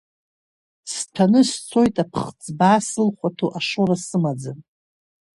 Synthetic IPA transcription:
stʰanɨst͡sʰo̞jtʼapʰχt͡sʼbaːsɨlχʷatʰoʔaʂoɾasɨmad͡zan

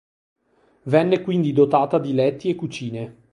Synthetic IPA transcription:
vɛnːekwind̪id̪ot̪aːt̪ad̪ilɛt̪ːiekːut͡ʃiːne

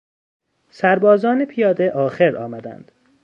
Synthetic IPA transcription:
sæɾbɒːzɒːnepʰijɒːd̪eʔɒːxeɾɒ̰ːmæd̪æ̰nd̪̥

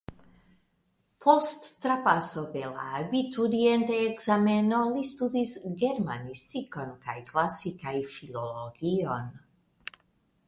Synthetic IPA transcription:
pʰost̪ːɾapasod̪ela̰bit̪ud̪ient̪eːɡzamenolist̪ud̪isɡeɾmanist̪ikonkaiklasikaifiloloɡion

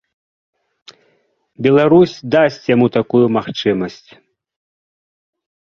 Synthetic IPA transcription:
bʲɛlˠaɾusʲd̪asʲt͡sʲjamut̪akujumaxt͡ʂɨmɐsʲt͡sʲ

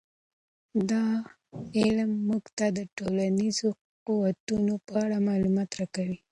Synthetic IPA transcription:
d̪ɑ | ɪlmːuɡt̪ad̪əʈolanizo | quwat̪unopəaɽamɑlumɑt̪ɾɑkawi

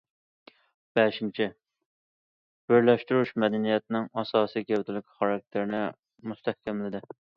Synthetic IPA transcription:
b̥ɛʃint͡ʃʰi | b̥ɪɾlɛʃt̪uɾuʃmɛd̪ɛnijɛt̪̚nɪŋɑsɑːsijɡʲɛt̪ʰɪlɪkʲʰχɑɾɑk̚ʲt̪ʰɪɾɪnɪ | must̪ʰɛhkʲʰɛmlɪd̪ɪ

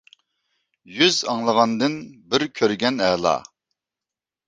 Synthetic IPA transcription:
jyzɑŋlˠəʁɑnd̪ɨnbɪɾkʲʰøɾɡʲɛnɛːlˠɑ̰

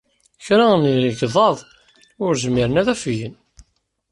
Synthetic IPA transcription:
çɾænɡðˤɑðˤ | ʊɾzəmːiɾənæðæfjən

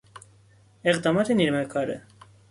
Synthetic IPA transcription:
ɛʁd̪ɑmɑt̪ʰɛniɾmɛkʰɑɾə̰

